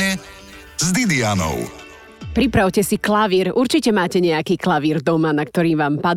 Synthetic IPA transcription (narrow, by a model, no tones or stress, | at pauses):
ɛ | zd̪id̪ianɔ̰ʊ | pɾipɾaʊcɛsiklaʋiːɾʔuɾt͡ʃicɛmaːcɛɲɛakiːklaʋiːɾd̪ɔmanak̚t̪ɔɾiːʋaːmpa